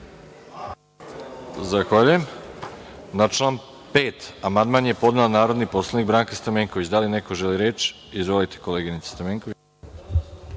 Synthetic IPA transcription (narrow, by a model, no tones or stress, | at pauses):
zaxʋaʎujem | nat͡ʃlaːn | peːt̪amand̪maːnje̞po̞d̪neonaːɾo̞d̪nipo̞slˠanik̚ɡbɾaːŋkast̪ameːŋkoʋit͡ɕd̪aline̞ko̞ʒeliɾeːt͡ʃ | izʋolit̪e̥ko̞leːɡinit̪se̥st̪ameːŋkoʋi